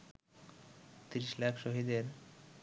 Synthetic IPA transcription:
t̪iɾiʃlakʰʃoɦid̪eɾ

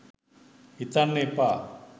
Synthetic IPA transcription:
it̪anːepa

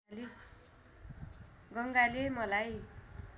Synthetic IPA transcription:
le | ɡʌŋɡalemʌlaj

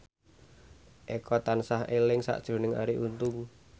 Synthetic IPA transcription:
ʔekɔt̪ansahelɪŋsa̰ʔd̥ʒ̥ɾo̤nɪŋa̰ɾiʔunt̪ʊŋ

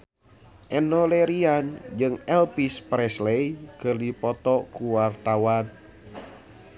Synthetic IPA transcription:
ʔɛnɔlɛɾiand͡ʒɨŋɛlpispɾɛslɛjkɨrdipɔt̪ɔkuwart̪awan

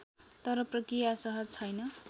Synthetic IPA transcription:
t̪ʌɾʌprʌkrijasʌɦʌt͡sʰʌjnʌ

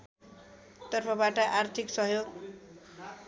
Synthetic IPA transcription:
t̪ʌrpʰʌbaʈʌʔart̪ʰiksʌɦjoɡ

